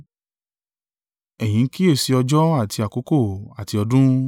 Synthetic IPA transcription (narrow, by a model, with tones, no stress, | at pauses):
ɛ˨j̃ĩ˨˦ki˦e˦˨si˧ɔ˧d͡ʒɔ˦a˦˨ti˧a˨ko˨˦ko˦˨a˨ti˧ɔ˧dũ˦